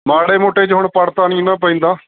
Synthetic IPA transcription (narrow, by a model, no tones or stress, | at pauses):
maːɽeːmoːʈeːt͡ʃɦʊɳpəɽt̪aːnĩːnãːp̬əĩːnd̪aː